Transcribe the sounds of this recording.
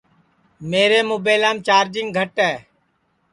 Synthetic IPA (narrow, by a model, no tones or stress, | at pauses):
meːɾeːmoːbeːlaːmt͡ʃaːɾd͡ʒɪŋɡ̚ɡʱəʈɛː